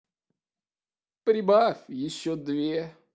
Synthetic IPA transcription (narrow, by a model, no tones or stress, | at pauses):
pɾʲɪbafʲjɪɕːod̪vʲe